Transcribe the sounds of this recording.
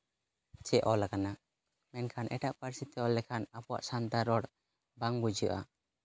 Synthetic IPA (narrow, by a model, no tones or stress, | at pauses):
t͡ʃɛʔɔlakana | mɛnkʰanʔɛ̰ʈaʔpaɾsit̪ɛɔlɛkʰanapɔwa̰ʔsant̪aɾɔɽ | baŋbud͡ʒəʔa̰